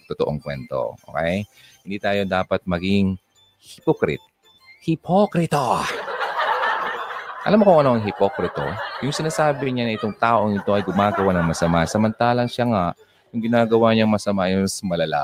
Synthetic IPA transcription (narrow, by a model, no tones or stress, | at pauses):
t̪ot̪oʔoŋkwɛ̰nt̪o̰ʔo̰kɛj | hɪnd̪iːt̪aːjo̞d̪aːpɐt̪̚mɐɡɪŋ | hɪpokɾɪ̰t̪̚ | hɪpʰokɾɪt̪a | ʔɐ̰lamːokʊŋʔɐno̞ʔɐŋɦɪpokɾɪt̪o̰jʊŋsɪnaːsaːbɪɲanɐʔɪt̪o̞ŋt̪aːʔoŋɪt̪o̞ʔɐjɡʊmaːɡɐwanɐŋmɐsɐmansɐmɐnt̪aːlɐŋʃaŋaʔ | jʊŋɡɪnaːɡɐwaɲɐŋmɐsɐmajʊnsmɐlɐla̰ː